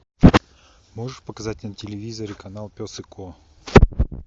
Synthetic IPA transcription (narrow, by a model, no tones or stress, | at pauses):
moʐɨʂpəkɐzat̚ʲnətʲɪlʲɪvʲizəɾʲɪkɐnalˠpʲosɨkʰo